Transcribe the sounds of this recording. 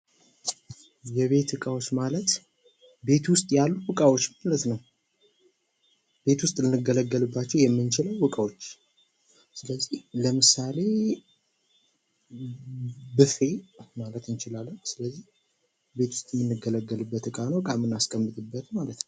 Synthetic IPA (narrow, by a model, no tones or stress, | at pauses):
jɛβe̞t̪ɨkʼawosmalət̪ | be̞t̪wʊst̪ʼjalːubɨkʼawo̞t͡ʃːmalət̪nəw | be̞t̪wʊst̪ʼlɨnːɨɡːələɡːəlɨbːat͡ʃːɛwjɛmːɨnt͡ʃɪləwbɨkʼawo̞t͡ʃː | sɨləzːihləmɨsale̞ | bɨfe̞malət̪ɨnt͡ʃɪlalːəsɨləzːih | be̞t̪wʊst̪ʼjɛmːɨnːɨɡələɡːəlɨbːət̪ɨkʼanwbɨkʼamːɨnːaskʼəmːɨt̪ʼɨbːət̪ʰmalət̪nəw